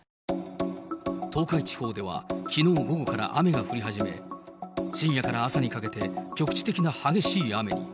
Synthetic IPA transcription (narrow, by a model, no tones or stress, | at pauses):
t̪o̞ːkait͡ɕi̥ho̞ːd̪e̞βa̰kʲino̞ːɡo̞ɡo̞kaɾa̰ʔame̞ɡaɸɯ̟ɾʲiɦaʑime̞̰ | ɕĩɰ̃jakaɾaːsaɲ̟ikake̞t̪e̞kʲo̞kɯ̟̥t͡ɕi̥t̪e̞kʲinahaɡe̞ɕiːame̞̰ɲ̟ḭ